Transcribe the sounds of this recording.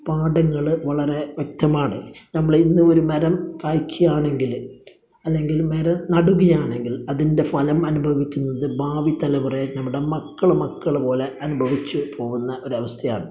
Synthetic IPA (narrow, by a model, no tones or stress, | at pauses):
paːɽɐŋːɐɭʋɐɭɐɾe̞ʋjek̚t̪ɐmaːɳɨnɐmːɐɭinːumo̞ɾumɐɾɐmkaːjkʲːujaːɳe̞ŋɡil | ɐlːe̞ŋɡilmɐɾɐmnɐɽuɣɐjaːɳe̞ŋɡilɐðinde̞fɐlɐmɐnubʱɐʋikʲːunːɐðɨbʱaːʋit̪ɐlɐpurɐjnɐmːuɽemɐkːɐɭmɐkːɐɭpo̞ːle̞ɐnubʱɐʋit͡ɕːɨpʰo̞ːɣunːɐʔo̞ɾuɐʋɐst̪ʰɐja̰ːɳɨ